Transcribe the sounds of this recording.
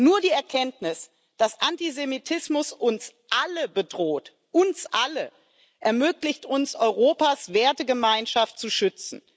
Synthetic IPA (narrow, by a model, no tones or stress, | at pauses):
nuːɐdiːɛɐkʰɛntnɪs | d̥asʔantizemitʰɪsmʊsʊns | ʔaləbədʁoːt | ʔʊnsʔalə | ʔɛɐmøːklɪçtʰʊnsʔɔʏʁoːpasv̥eːɐtəɡəmaɪnʃaftt͡suʃʏt͡sn̩